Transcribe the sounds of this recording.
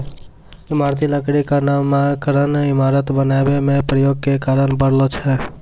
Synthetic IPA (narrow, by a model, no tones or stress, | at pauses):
imaɾt̪iləkɽikanaakəɾənimaɾət̪bənabemepɾəjoɡ̚kekaɾənbəɽlɔt͡ʃʰɛ